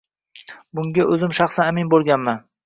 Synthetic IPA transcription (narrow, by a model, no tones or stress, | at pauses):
bʊŋɡʲaʔɵzɪmʃɑχsanamɪnbolˠɡʲanman